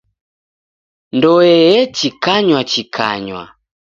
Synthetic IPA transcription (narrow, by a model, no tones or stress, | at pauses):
ndɔɛjɛt͡ʃikaɲwat͡ʃikʰa̰ɲwa̰